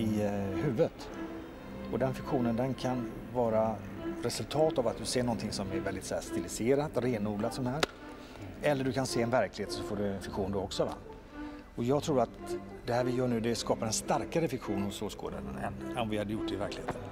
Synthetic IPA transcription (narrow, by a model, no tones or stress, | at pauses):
ɪɦʉ̟ːvət̪ | ɔd̪ɛnfɪkɧuːnənd̪ɛnkʰan | vɑːɾa | ɾɛsɵlt̪ʰɑːt̪avat̪̚d̪ɵseːɳɔnt̪ʰɪŋsɔmɛɾvɛld̪ɪt̪sæːst̪ɪlɪseːɾat̪ɾeːnuːɡ̪lat̪sɔnaɦæːɾ | ɛlːəɖɵkʰanseːɛnvæɾklɪheːt̪sɔfoːɖɵɛnfɪkɧuːnd̪ɔɔksɔva̰ | ɔjɑːɡt̪ʰɾuːɾat̪ | d̪ɛhæːɾvɪjœːɳʉ̟ːd̪ɛskɑːpaɾɛnst̪aɾkaɾəfɪkɧuːnɔmsoːsɡo̰ːd̪ənnɛnɔmvɪhad̪əjʊʈ̚ːd̪ɛɪvæɾklɪheːt̪ʰən